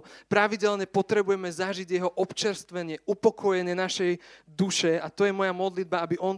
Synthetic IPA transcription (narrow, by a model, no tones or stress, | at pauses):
pɾaʋiɟɛlɲɛpɔt̪ɾɛbujɛmɛzaʒiɟjɛɦɔʔɔpt͡ʃɛɾst̪ʋɛɲɪɛʔupɔkʰɔjɛɲɪɛnaʃɛjd̪uʃɛat̪ɔjɛmɔjamɔd̪lid̪̚baabiʔɔn